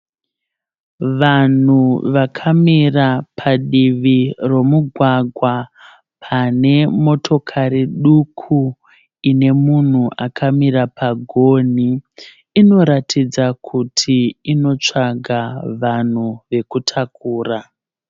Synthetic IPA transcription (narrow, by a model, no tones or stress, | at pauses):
ʋan̤uʋakʰamirapʰaɗiʋiro̞muɡʱwaɡʱwa | pʰane̞mo̞tʰo̞kʰaɾiɗukʰu | ine̞mun̤uʔakʰamirapʰaɡʱo̞ːniː | no̞ɾatʰid͡zakʰutʰiino̞t͡ʂaɡʱaʋan̤uʋe̞kutʰakuːra